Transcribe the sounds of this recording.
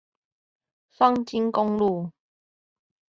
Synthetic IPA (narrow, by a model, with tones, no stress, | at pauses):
fa˥ŋt͡ɕi˦˥nkʊ˧ŋlu˥˨